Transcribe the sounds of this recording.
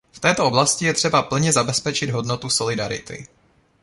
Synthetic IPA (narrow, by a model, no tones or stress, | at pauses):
ft̪ɛːt̪oʔoblascɪjɛt̪r̝̥ɛbapl̩ɲɛzabɛspɛt͡ʃɪd̪ɦo̞dnot̪uso̞lɪdaɾɪ̰t̪ɪ̰